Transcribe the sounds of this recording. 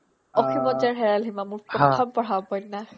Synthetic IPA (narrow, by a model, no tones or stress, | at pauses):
ɔkʰimɔd͡ʒaɹɦɛɹalɦimamuɹpɹɔt̪ʰɔmpɔɹ̤abɔjnːa